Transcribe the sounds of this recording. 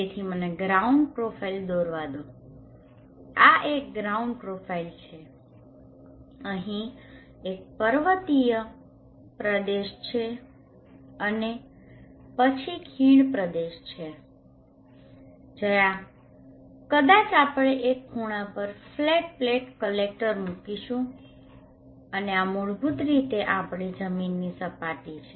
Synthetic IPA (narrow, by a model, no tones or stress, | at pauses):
et̪ʰiməneɡɾauɳɖpɾopʰaild̪oɾʋad̪o | aʔek̚ɡɾaũɳɖpɾofʰailt͡ʃʰe | əɦĩ | ek̚pəɾʋət̪ijə | pɾəd̪eʃt͡ʃʰe | əne | pət͡ʃʰikʰiɳpɾəd̪eʃt͡ʃʰe | d͡ʒəja | kəd̪at͡ʃapɭ̃eʔekʰːuɽ̃ãpəɾfleʈ̚pleʈkəlek̚ʈəɾmukiʃũ | əneamuɭbʱut̪ɾit̪eʔapɽid͡ʒəminːisəpaʈit͡ʃʰe